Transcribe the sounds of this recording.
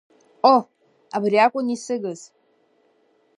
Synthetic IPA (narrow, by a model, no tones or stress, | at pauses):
o | abɾiakʷʼonisɨɡɨz